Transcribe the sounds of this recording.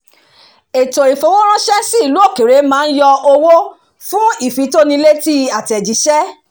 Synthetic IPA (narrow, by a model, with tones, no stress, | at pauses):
e˨to˨i˨fo˨˦wo˦ɾ̃ã˦ʃɛ˦si˦i˦˨lu˨˦o˦˨ke˨ɾe˨˦mãː˨˦˧n̩˦jɔ˧o˧wo˦ | fũ˦i˦˨fi˨˧˦to˦nĩ˧le˦ti˦a˨tɛ˨d͡ʒi˨˦ʃɛ˦